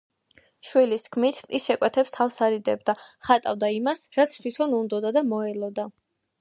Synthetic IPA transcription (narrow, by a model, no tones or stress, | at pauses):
ʃwilist̪ʰkʰmit̪ʰisʃɛkʼwɛt̪ʰɛpst̪ʰafsaɾid̪ɛbd̪aχat̪ʼa̰vd̪aimasɾat̪sʰt̪ʰwit̪ʰɔnund̪ɔd̪ad̪amɔɛlɔd̪a